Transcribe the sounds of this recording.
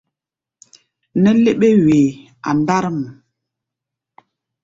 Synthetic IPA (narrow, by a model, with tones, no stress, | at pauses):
nə˦le˦ɓe˦we˨ | a̰˨nda˦ɾə˦m˨